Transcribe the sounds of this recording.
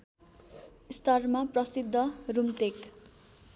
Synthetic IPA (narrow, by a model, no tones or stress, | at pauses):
st̪ʌrmaprʌsid̪ʱːʌrumt̪ek